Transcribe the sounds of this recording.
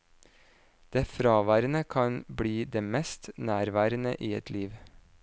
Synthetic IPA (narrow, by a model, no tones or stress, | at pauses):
d̪̥eːfɾɑːʋæːɾənəkʰɑnbɽiːd̪eːmɛst̪næːɾʋæːɾənə̰ʔiːɛt̪ʰliːʋ